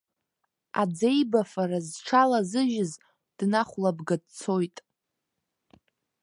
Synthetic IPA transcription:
a̰d͡ze̞jbafarazʈ͡ʂʰalazɨʒɪz | d̥naχʷlabɡad̚t͡sʰojtʼ

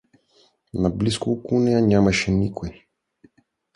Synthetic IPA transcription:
nabliskuːkunɛjaɲamaʃɛnikoj

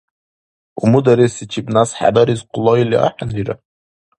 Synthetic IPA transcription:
umud̪aɾisit͡ʃʰibnasħa̰baɾizqʊlɔilia̰ħaniɾa̰

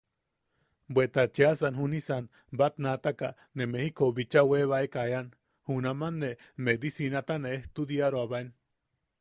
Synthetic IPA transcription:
bwet̪at͡ʃiasanɦunisan | bat̪nat̪aka | nemehikoβit͡ʃaweβaekajan | hunamanːe | med̪isinat̪aneeht̪ud̪iaɾoaβaen

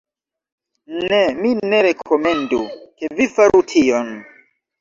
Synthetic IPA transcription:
nemine̞ɾe̞kʰome̞nduke̞vifaɾʔutʰion

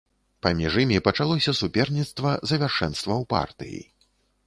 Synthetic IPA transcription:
pamʲiʐɨimʲipɐt͡ʂalˠɔsʲɐsupʲɛrnʲit̪st̪vɐzɐvʲarʂɛnst̪vɐwpa̰rt̪ɨ̰jḭ

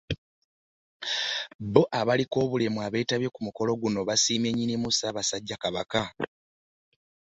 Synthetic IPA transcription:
bo̞ʔaβaliko̞ːβulemuaβe̞ːtaβje̞kumuko̞lo̞ɡuno̞βasiːmeɲːinimusaːβasaɟːakaβaka

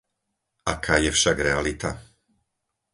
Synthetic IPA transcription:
ʔakʰaːjɛfʃaɡɾɛalit̪a

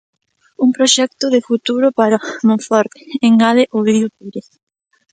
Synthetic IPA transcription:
uŋpɾoʃɛk̚t̪ʊðɪfut̪uɾʊpaɾamõɱfɔɾt̪e̥eŋaðeʔoβiðjut̪uβɾes

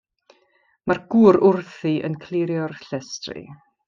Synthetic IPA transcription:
marɡuːɾʊrθiʔə̰nkʰlˠiɾjɔrɬɛstrɨ̰

